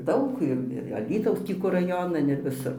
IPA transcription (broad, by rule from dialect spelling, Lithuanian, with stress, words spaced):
ˈdɐʊk ɪr ɪr ɐˈlʲiːtɐʊs ˈtʲiː kʊr rɐˈjoːnɐn ɪr ʋʲɪˈsʊr